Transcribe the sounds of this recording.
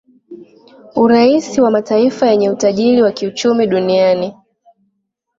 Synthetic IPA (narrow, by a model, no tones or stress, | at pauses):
uɾaisiwamataifajɛɲɛutaʄiliwakiut͡ʃumiɗuniani